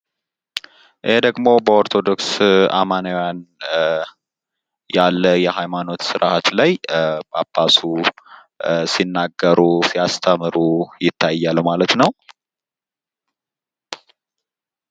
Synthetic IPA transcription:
ʔihed̪əɡmo̞bəoɾt̪ʰo̞d̪o̞ksa̰manəwjan | jalːəjɛɦajmano̞t̪sɨɾat̪lajbabːasu | sinːaɡːəɾusijast̪ʰəmɨɾujɪt̪ʰːajːalmalət̪nəw

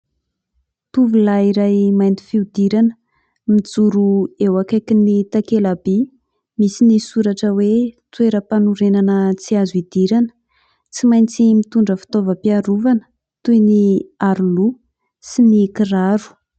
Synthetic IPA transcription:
t̪uvulaiɾajmajnt̪i̥fiud̪iɾanə̥ | mid͡zuɾuewakakinit̪akelabi | misinisuɾaʈ͡ʂəwet̪ueɾəpanuɾenanət͡siazuid̪̥iɾanə̥ | t͡simajnt͡simit̪uɳɖ͡ʐəfi̥t̪ovəpiaɾuvanə̥ | t̪ujniaɾulu | sinikiraɾu̥

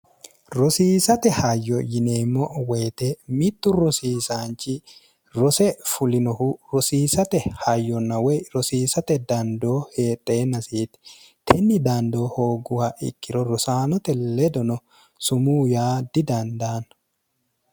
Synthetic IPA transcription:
ɾɔsiːsɐt̪ɛhajːɔjɪneːmːɔweːt̪emɪt̪ːʊɾɔsiːsaːnt͡ʃɪ | ɾɔsɛfʊlɪnɔhuɾɔsiːsɐt̪ɛhɐjːɔnɐwɛɾɔsiːsɐt̪ɛd̪ɐnd̪oːheːt̪ʼːeːnɐsiːt̪ | t̪ʰɛnːɪd̪aːnd̪oːhoːɡʊhaʔɪ̰kʼːɪɾɔɾɔsaːnɔt̪ɛlɛd̪ɔnɔ | sʊmuːjaːd̪ɪd̪ɐnd̪aːn

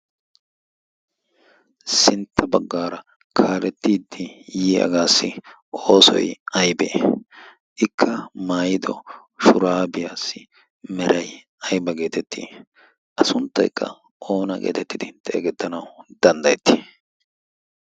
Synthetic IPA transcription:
sɪnt̪ʰːɐbɐɡːaːɾɐ | kʰaːlɛt̪ːiːd̪ːɪjiːɐ̰ɡaːsːɪ | oːsɔ̰jɐjbḛ | ʔɪkʰːɐmaːjɪd̪ɔ | ʃʊɾaːbɪjaːsːɪ | mɛɾɐj | ɐjbɐɡe̞ːt̪ɛt̪ːḭː | ʔɐsʊnt̪ːɐ̰jkːɐ̰ | ʔo̞ːnɐɡḛːt̪ɛt̪ːɪd̪ɪt̪ːɛʔɛɡɛt̪ːɐnɐwd̪̥ɐnd̪ɐjɛt̪ːi̥

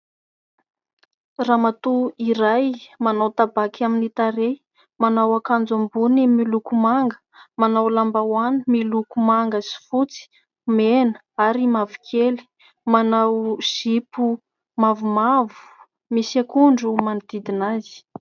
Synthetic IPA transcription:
ramat̪uiɾajmanawt̪abakʰaminit̪aɾe | manawakand͡zambunimilukumaŋɡə̥ | manawlambawanimilukumaŋɡəsi̥fut͡si̥ | men | aɾimavikʰeli̥ | manawz̥ipu | mavumavu̥ | misiakuɳɖ͡ʐumanid̪id̪inazi̥

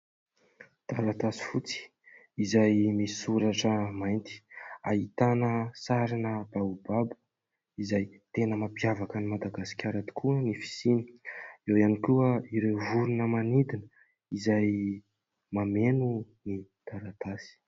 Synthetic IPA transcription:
d̪̥aɾat̪asi̥fut͡si̥ | izajmiisuɾaʈ͡ʂəmajnt̪i̥a̰ɦit̪anəsaɾinəbaubabu̥ | izajt̪enəmapjavakənimad̪aɡasi̥kʲʰaɾat̪u̥kuənifi̥sini̥ewianikʲuəiɾevuɾunəmanid̪inə | izaj | mamenu | nid̪̥aɾat̪asi̥

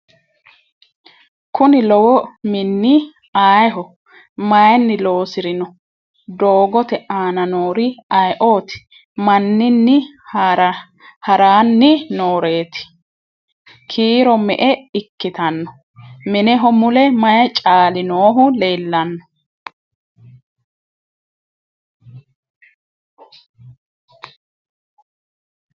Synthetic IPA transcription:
kʰʊnɪlɔwɔmɪnːɪ | aːjɦɔ | mɐjnːɪlo̞ːsɪɾɪnɔ | d̪oːɡɔt̪ɛʔaːnɐnoːɾɪɐjʔo̞ːt̪ɪ̥ | mɐnːɪnːɪ | ɾ | hɐɾaːnːɪnoːɾe̞ːt̪ɪ̥ | kʰiːɾɔmɛ̰ʔɛɪkːɪt̪ɐnːɔ | mɪnɛɦɔmʊlɛmɐjɐt͡ʃʼaːlɪnoːɦʊle̞ːlːɐnːɔ̥

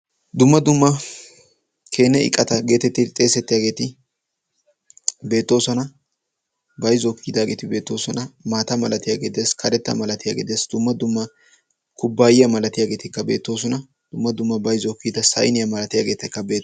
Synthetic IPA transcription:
d̪ʊmːɐd̪ʊmːɐ | kʰe̞ːnːɛɪ̰kʼːɐt̪ɐɡe̞ːt̪ɛt̪ːɪt̪ʼe̞ːsɛt̪ːɪjaːɡe̞ːt̪ɪ | be̞ːt̪ːo̞ːsɔnɐ | bɐjzɔkːid̪aːɡe̞ːt̪ɪbe̞ːt̪ːo̞ːsɔnɐmaːt̪ɐmɐlɐt̪ɪjaːɡeːd̪eskʰɐɾɛt̪ːɐ̰mɐlɐt̪ɪja̰ːɡḛːd̪eːsd̪̥ʊmːɐd̪ʊmːɐ | kʊbːaːjɪjɐmɐlɐt̪ɪjaːɡe̞ːt̪ɪkːɐbe̞̰ːt̪ːo̞ːs̬ɔnɐ | d̪̥ʊmːɐd̪ʊmːɐbɐjzɔkːid̪ɐsɐ̰jnɪjɐmɐlɐt̪ɪjaːɡe̞ːt̪ɪkːɐbe̞ː

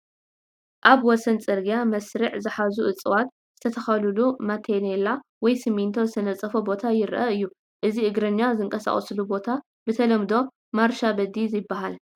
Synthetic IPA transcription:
ʔaβwɔsɐnt͡sʼɨɾɡijamɐsɾɨʕzɨħazuʔɨt͡sʼɨwat̪ | z̥ɨt̪ʰɐt̪ʰɐxɐlɨlumat̪ʰenelawɔjsɨmːint̪ʰo̞zɨt̪ʰɐnɐt͡sʼːɐfobo̞t̪ʰajɪɾʔɐɨjːu | ʔɨziʔɨɡɾɐɲːazɨŋkʼɐsa̰χʼɐslubo̞t̪ʰa | b̥ɨt̪ʰɐlɐmd̪o̞ | maɾʃabɐd̪izɪbːaɦal

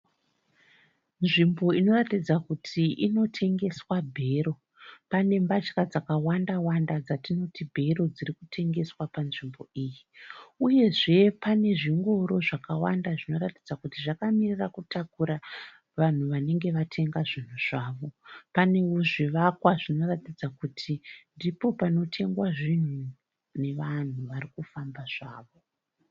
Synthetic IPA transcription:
nʐimbo̞ino̞ratid͡zakutʰiʔino̞tʰe̞ŋɡe̞swabʱe̞ɾo̞ | pane̞mbat͡ʃkad͡zakawandawandad͡zatino̞tibʱe̞ɾo̞d͡zirikutʰe̞ŋɡe̞swapanʐimbo̞iːjiuje̞ʐe̞pane̞ʐiŋɡo̞ɾo̞ʐakawa̰ndaʐino̞ratid͡zakutiʐakamirirakutakuɾa | ʋan̤uʋane̞ŋɡe̞ʋatʰe̞ŋɡaʐin̤uʐ̥aːʋo̞paneuʐiʋakwaʐino̞ratid͡zakutʰindipo̞pano̞tʰe̞ŋɡwaʐin̤u | ne̞ʋan̤uʋarikufambaʐ̥aːʋo̞

